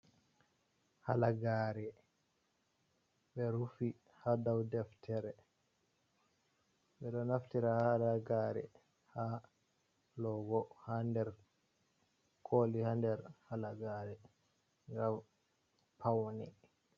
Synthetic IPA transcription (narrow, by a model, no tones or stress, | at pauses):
halaɡaːɾɛ | ɓɛɾufi | hadawdɛftʰɛɾɛ | ɓɛɗɔnaftiɾahaalaɡaːɾɛ̰ | ha | lɔɡɔhandɛɾ | kʰolihandɛɾhalaɡaɾɛ | ŋɡam | pʰawni